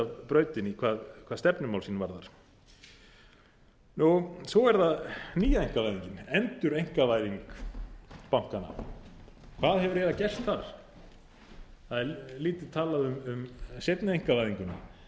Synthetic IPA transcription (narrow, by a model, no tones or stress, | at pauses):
avpɾœːɥt̪ɪnikʰvaːðkʰvaːðst̪ɛpnʏmawlsiːnvaɾðaɾ̥ | nusɔɛɾθaðniːjaejŋ̥kavajðiɲcɪnɛnt̪ʏɾejŋ̥kavaːjðiŋk | pawŋ̥kana̰ | kʰvaːðhɛvʏɾɛːɾacɛr̥t̪θaɾ̥ | θaðɛɾliːt̪ɪt̪ʰaːlaðʏmʏmset̪naejŋkavajðiŋkʏna̰